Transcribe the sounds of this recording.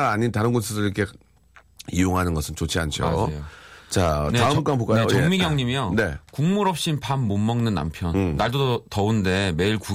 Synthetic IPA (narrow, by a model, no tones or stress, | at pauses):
aɲintaɾɯnɡonsʰɯdɯɾiikʰe | ijoŋɦanɯnɡʌsʰɯnt͡ɕot͡ɕʰiant͡ɕʰo̰ot͡ɕaneapuk͈aŋbuk͈ajoet͡ɕjʌeŋmiɡjʌŋɲimjone̞kuŋmuɾʌp̚ɕ͈inpʰanmommʌŋnɯnːa̰mpʰjʌnːaɭdodtʌunde̞me̞iɭku